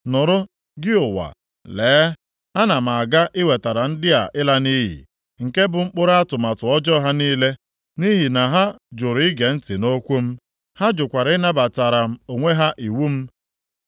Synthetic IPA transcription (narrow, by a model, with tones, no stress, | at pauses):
nʊ˨ɾʊ˦ | ɡɪ˦ʊ˨wa̰˨ | leː˨˦ | a˦na˨m̩˨a˨ɡa˦ʔɪ˦we˨ta˨ɾa˨n̩˦dɪ˦a˨ʔɪ˦la˦ni˦ɦḭ˨ | ŋ̩˨ke˦bʊ˨ŋ͡m̩˦k͡pʊ˦ɾa˦tʊ˨ma˨tʊ˨ɔ˦d͡ʒɔ˦ɦa˦niː˦le˦ | ni˦ɦi˨na˨ɦa˦d͡ʒʊ˨ɾɪ˦ɡe˨n̩˦tɪ˨no˦kʷu˦m̩˦ | ha˦d͡ʒʊ˨kʷa˨ɾɪ˦na˦ba˨ta˨ɾa˨m̩˦˨o˨ŋʷe˦ɦa˦ʔi˨wu˦m̩˦